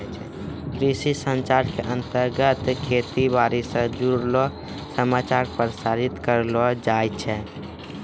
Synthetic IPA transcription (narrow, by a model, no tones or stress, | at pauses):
t͡ʃʰɛ | kɾisisə̃nt͡ʃaɾkeʔənt̪əɾɡət̪kʰet̪ibaɾisə̃d͡ʒuɾlɔ | səmat͡ʃaɾpɾsaɾit̪kəɾlɔd͡ʒajt͡ʃʰɛ